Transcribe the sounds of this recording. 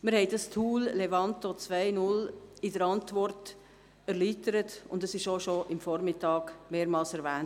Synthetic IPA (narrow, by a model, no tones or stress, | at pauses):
məɾhɛɪdɑstʰuːllevɑntot͡svaɪnʊlɪdəɾɑntvɔrt | ɛɾliːtəɾətʊndəsɪʃoʃoʔɪmfɔɾmɪtːɑːɡmeːɾmɑːlsɛɾvæːn